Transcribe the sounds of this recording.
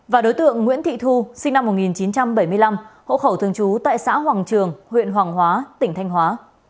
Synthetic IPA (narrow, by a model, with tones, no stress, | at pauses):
vaː˨˩ɗo˨˦jt̪ɨ̰˧˨əŋːwḭ˧˥ənt̪ʰḭ˧˨t̪ʰu˧sï˧ŋna˧mːo˨˩t̚ŋi˨˩nt͡ɕi˨˦nt͡ɕa˧mɓə˧˩jmɨ˧əjla˧mho̰˧˨xə˧˩wt̪ʰɨ˧əŋt͡ɕu˨˦t̪a̰ː˧˨jsa̰ː˧˥ɦwaː˨˩ŋt͡ɕɨ˨˩əŋhwḭ˧˨ənwaː˨˩ŋɦwaː˨˦t̪ï˧˩ŋ̟t̪ʰa˧jŋ̟ɦwaː˨˦